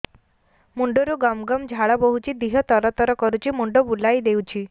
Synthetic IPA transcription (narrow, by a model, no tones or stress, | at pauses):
muɳɖɔɾuɡɔmɡɔmd͡ʒʱaɭɔbɔɦut͡ʃʰid̪iɦɔt̪ɔɾɔt̪ɔɾɔkɔɾut͡ʃʰimuɳɖɔbulajd̪ewt͡ʃʰi